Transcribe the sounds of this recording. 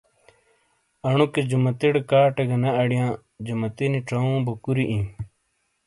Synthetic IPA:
ɐɳuked͡ʑumɐt̪iɽkaːʈeɡɐnɐɐɽijãː | d͡ʑumɐt̪iniʈ͡ʂɐũːbɐkuɾiʔĩ

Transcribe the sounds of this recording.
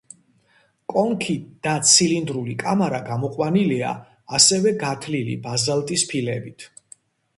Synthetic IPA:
kʼɔŋkʰid̪̥at̪sʰilind̪ɾulikʼamaɾaɡamɔqʼwanilia̰ː | sɛvɛɡat̪ʰlilḭbazalˠt̪ʼispʰilɛbit̪ʰ

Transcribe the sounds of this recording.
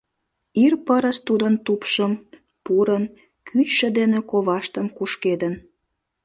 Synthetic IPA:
irpəɾəʃt̪ud̪ənt̪upʃəm | puɾən | kʰyt͡ɕʃə̆d̪enekoβɑʃt̪əmkuʃked̪ən

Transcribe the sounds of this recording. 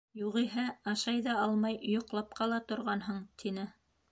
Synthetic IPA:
juʁiɦæɑʃɑjðɑɑlˠmɑjjŏqlˠɑp̚qɑlˠɑt̪ŏɾʁɑnɦɤɴt̪ʰinɘ

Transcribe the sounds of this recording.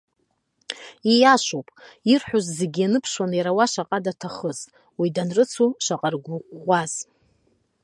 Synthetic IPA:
ijaʃʷowpʼirħʷᶣuzze̞ɡʲijanɨpʰʂwanjaɾawaʃaqʼadatʰaχəz | widanrɨt͡sʰuʃʷaqʼarɡʷuqʷʼːaz̥

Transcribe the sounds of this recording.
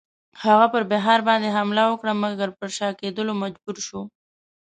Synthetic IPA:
haɣapəɾbɪɦɑɾbɑnd̪eɦamlawəkɽaməɡaɾpəɾʃɑked̪əlomad͡ʒbuɾʃu

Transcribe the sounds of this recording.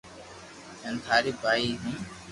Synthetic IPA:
ɛ̃nt̪ʰaːɾiːbaːiːɦĩ

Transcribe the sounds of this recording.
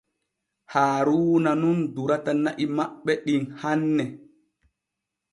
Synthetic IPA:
haːɾuːnanunduɾatanaʔimaɓːɛɗinhanːɛ

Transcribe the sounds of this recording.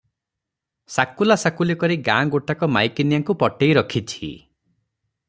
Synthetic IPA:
sakulasakulekɔɾiɡãɡoʈakɔmajkinijaŋkupɔʈejɾɔkʰit͡ʃʰi

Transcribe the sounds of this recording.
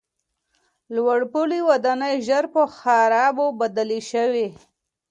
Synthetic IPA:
lwaɽpuliwad̪ɑnəjʒəɾpəxaɾɑbobad̪aleʃəwe

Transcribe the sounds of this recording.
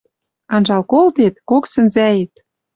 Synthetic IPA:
ɑnʒɑlkolt̪et̪̚koksɘ̆nzæjet̪̚

